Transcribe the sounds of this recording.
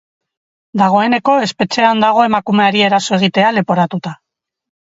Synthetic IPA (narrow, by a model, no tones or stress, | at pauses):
d̪aɣ̞o̞e̞ne̞ko̞e̞spe̞t͡ʃe̞and̪aɣ̞o̞e̞makume̞aɾie̞ɾaso̞e̞ɣ̞it̪e̞ale̞po̞ɾat̪ut̪a